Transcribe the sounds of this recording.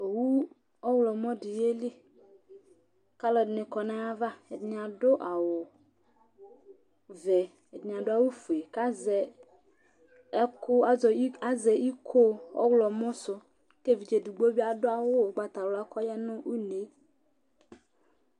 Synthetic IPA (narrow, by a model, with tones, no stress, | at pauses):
o˨wu˦ | ɔ˦wlɔ˨mɔ̃˦dɪ˨je˦lɪ˦ | ka˦lɔ˨dnɪ˨kɔ˨nã˦a˦va˦e˨dɪ˨ɲ˨a˨dʊ˦ʔa˨wʊ˨ | vɛ˨ | e˨di˨ɲ˨a˨dʊ˦a˦wu˦fu˨e˨ka˦zɛ˨˦ | kʊ˦a˦zɔ˨˦a˦zɛ˨i˦kʰo˦ɔ̰˦wlɔ˨mɔ̃˦sʊ˦ | ke˦vi˨d͡ʒe˨du˨ɡ͡bo˦bi˦a˨dʊ˦a˨wo˦˨ɡ͡ba˨t̪a˨wla˦kɔ˦jɛ˦nʊ̃˦wu˦ne˨˦